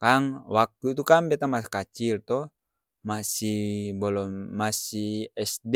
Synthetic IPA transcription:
kaŋwak̚t̪uit̪ukaŋbɛt̪amasḁkat͡ʃilt̪ɔ | masihbɔlɔmasiɛsd

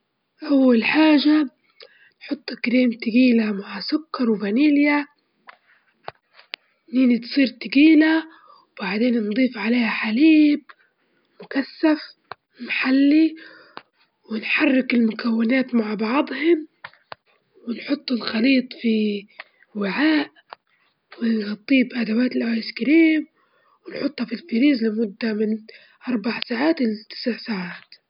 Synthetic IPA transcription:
ʔawːalħaːʒa | nħʊt̪ˤːɪkɾiːmt̪ɪɡiːlamaʕsʊkːɑɾˤwbaniːlja | niːnit̪sˤiːɾt̪ɪɡiːla | wwbaʕd̪eːnnd̪ˤiːfʕaleːhaħaliːb̚ | mʊkasːaf | maħalːi | wɪnħarːɪkɪlmʊkawːɪnaːt̪maʕbɑʕd̪ˤhʊm | wɪnħʊt̪ˤːɪlxɑliːt̪ˤfi | wɪʕaːʔ | wɪnɣɑt̪ˤːiːbʔad̪awaːt̪ɪlʔaɪskɪɾiːm | wɪnħʊt̪ˤːhɑfilfiɾiːzlɪmʊd̪ːamɪn | ʔɑɾˤbaʕsaːʕaːt̪ʔɪlːɪt̪ɪ̥sʕsaːʕaːt̪

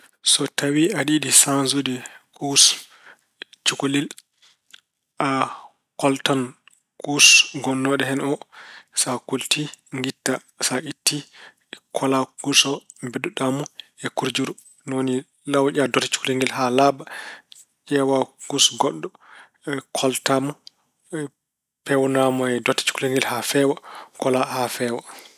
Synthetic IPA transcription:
sɔtawiaɗiɗisanzudikus | t͡ʃukolil | ʔa | kɔltan | kusɡɔnːɔɗɛhɛnɔsakultiŋɡitːa | saʔitːi | kʰɔlakusɔbɛɗuɗamɔɛkuɾd͡ʒuɾu | noni | lawʔadɔtḁt͡ʃu̥kleŋɡilɦalaba | d͡ʒɛwaɡ̥usɡɔɗːɔ | kʰɔltamɔ | pɛwnamɔɛdɔtːḁt͡ʃu̥kleŋɡilhafɛwakɔlahafɛːwa

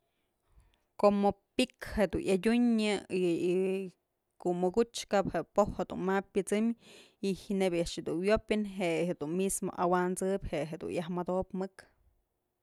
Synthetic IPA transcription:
komopikhed̪unjadʲuɲɨi | kuʔmɨɡut͡ʃkaphepohhed̪ṵnmap̚ʲːɨt͡sɨm | ihinebʲjaʔʂhed̪unwjopʲɨnɦeʔhed̪unmismo̰ʔawant͡sɨpʲheɦed̪ṵnjahmad̪opmɨk

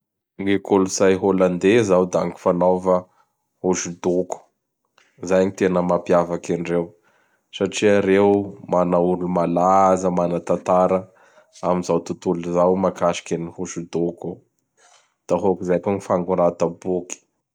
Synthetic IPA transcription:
ŋekoluzajɦoland̪ezawd̪a̰ŋki̥fanawvə | hoʃud̪oku̥ | zajaɲit̪enəmapiavakaɳɖ͡ʐew | saʈ͡ʂiaɾewmanauɾulumalazəmanət̪ant̪aɾə | amizawt̪ut̪uluzawmakaʃi̥kʲənihuʃud̪oku | d̪̥aɦokizajkoɲifaŋɡuɾat̪abuki̥

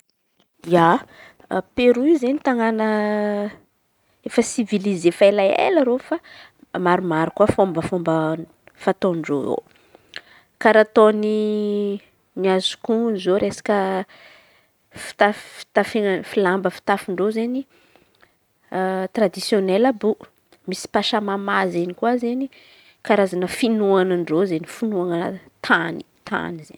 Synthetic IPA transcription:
ja | peɾuizenit̪aŋanə | efəsivilizefalajḛlaɾofa | maɾumaɾukuəfombəfombə | fat̪oɳɖ͡ʐo̰o̰ | kaɾat̪oni | niazu̥kunzoɾesḁkə | fi̥t̪afi̥t̪afeŋfilambəfi̥t̪afiɳɖ͡ʐozeni | t̪ɾad̪isjonelabu | misi̥paʃamamazenikuazeni | kaɾazanəfinuanaɳɖ͡ʐozenifunuaŋənt̪ʰani̥t̪ʰa̰nizḛn

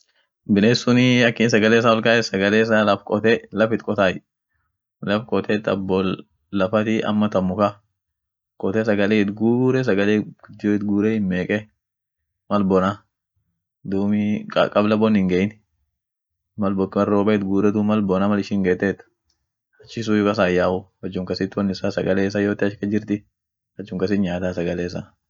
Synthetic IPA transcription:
bɪneːsːʊnɪɐkːɪːns̬ɐɡɐleːɪs̬aːwɔlkʼaːɛsɐɡɐleːɪs̬alɐfkʼɔt̪ɛlɐfɪt̪kʼɔt̪aːj | lɐfkʼɔt̪ɛt̪ːɐ̰bːɔ | lɐfɐt̪ɪʔɐ̰mːɐt̪ɐmːʊka | kʼɔt̪ɛs̬ɐɡɐleːt̪ɡuːɾɛs̬ɐɡɐleːɡd̪oɪt̪ɡuːɾɛhɪnmeːkʼɛ | mɐlbɔna | d̪uːmɪɐ̰kʼɐblɐbɔnɪŋɡɐɪn | mɐlbɔkɐrːoːbɐɪt̪ɡuːɾɛd̪umɐlbɔnaːmɐlɪʃɪŋɡeːt̪ːeːt̪ː | hɐt͡ʃːɪs̬uːjʊkɐs̬aːjaːhʊhɐd͡ʒːʊŋkɐsɪt̪ːwɐnɪsasɐɡɐleːɪs̬ajoːt̪ːɪɐʃkɐd͡ʒɪɾt̪ɪ | hɐd͡ʒːʊŋkɐs̬ɪt̪ɲaːd̪aːsɐɡɐleːs̬a

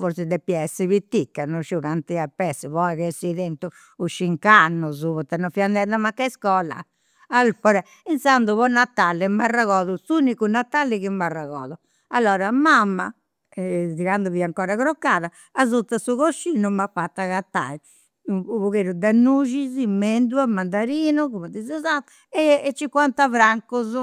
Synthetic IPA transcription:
fɔɾsid̪ɛpːiɛsːiβit̪ːikːanuʃuɣant̪iapːɛsːɛβɔɛkɛsiðɛnt̪u | uʃːiŋkanːuzuβɔt̪ːɛnːɔfiand̪ɛðamakːaɛskɔla̰ | alpɔɾɛ | ɛnsand̪uβɔnːat̪ːalːɛmbaraɣɔːðusunikunat̪ːalːiɣimbarːaɣɔ̰ːðɔ | alːɔːɾamamːa̰ | ɛtiɾand̪ɔβiaŋkɔːɾaɣɾɔkːaːða | azut̪ːasuɣoʃːiːnumafat̪ːaɣat̪ːa̰i | puβuɣeɾud̪anːuːʒizimːend̪uamːand̪aɾiːnukumɛd̪izɔzat̪ | ɛɛt͡ʃːikwant̪avɾaŋkuz

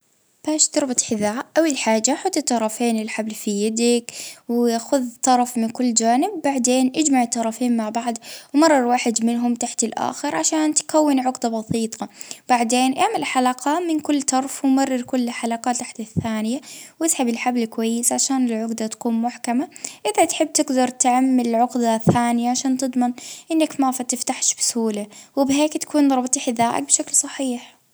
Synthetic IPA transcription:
b̥aːʃt̪ɑɾˤbɑt̪ˤħɪðaːʔʔawːalħaːd͡ʒːaħʊt̪ːɪt̪ˤːɑɾˤɑfeːnɪlħablfijad̪akwaxʊðt̪ˤːɑɾˤɑfmɪnkʊlːd͡ʒaːnɪbːaʕd̪eːnʔad͡ʒmaʕɪt̪ːɑɾˤɑfeːnmaʕbaʕd̪wmɑrˤːɑɾˤwaːħɪd̪mɪnɦʊmt̪aħt̪ɪlʔa̰ːxɪɾʕaʃaːnt̪kawːɪnʕʊɡd̪abɑsˤiːt̪ˤɑb̥aʕd̪eːnʔaʕmalħalaqɑmɪnkʊlːt̪ɑɾˤfwɪmarːɪɾkʊlːħalaqɑːt̪ːaħt̪aθːaːnɪjawɪsħabɪlħablkwajːɪsʕaʃaːnɪlʕʊɡd̪at̪ḁkuːnmʊħkamaʔɪðat̪ħɪb̚ːt̪ɪɡd̪ɑɾˤt̪ʕamːɪlɪlʕʊqd̪aθaːnɪjaʕaʃaːnt̪ɨd̪ˤmɪnʔɪnːakmafat̪ɪft̪aħʃbɪsʊhuːlawɪbɦeːkt̪ḁkuːnɾˤɑbt̪ˤiħðaːʔɪ̰k̚bʃaklsˤɑħiːħ

